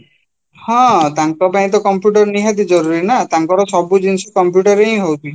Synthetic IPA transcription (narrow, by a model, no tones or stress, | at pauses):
hɔ̃t̪aŋkɔpaĩt̪̬ɔkɔmpjuʈɔɾniɦat̪id͡ʒɔɾuɾinat̪aŋkɔɾɔsɔbud͡ʒinsɔkɔmpjuʈɔɾej̃ɦowt̪ʰi